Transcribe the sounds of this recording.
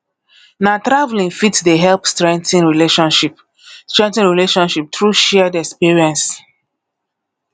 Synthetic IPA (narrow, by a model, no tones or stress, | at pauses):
natɾavlĩnfitdeɦɛlpstɹɛ̃ŋ̚tĩnɹileʃɔ̃nʃip | stɹɛ̃ntĩnɹileʃɔ̃nʃip̚tɹuʃɛdɛkspiɹiɛ̃ns